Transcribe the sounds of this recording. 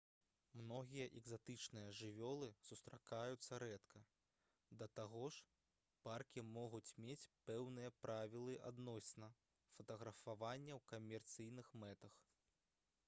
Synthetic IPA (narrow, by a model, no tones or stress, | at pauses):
mnɔɣʲijɐʔɛɡzat̪ɨt͡ʂnɨjɐʐɨvʲɔlˠɨsust̪ɾakajut̪sːɐɾɛt̪kʰɐ | d̪ɐt̪aɣɔʂ | parkʲimɔɣut͡sʲmʲet͡sʲpɛwnɨjɐpɾʔavʲilˠɨʔa̰d̪nɔsʲnɐ | fɐt̪ɐɣɾɐfavanʲːɐwkɐmʲɛrt̪sɨjnɨxmɛt̪ɐx